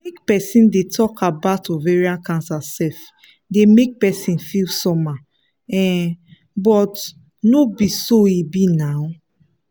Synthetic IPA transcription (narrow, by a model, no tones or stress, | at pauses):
mekpɛsĩndetʰɔkʰabatɔveɹiãnkãnsasɛf | demek̚pɛsĩnfilsɔma | ɛ̃ | bɔt | nobisoibinaw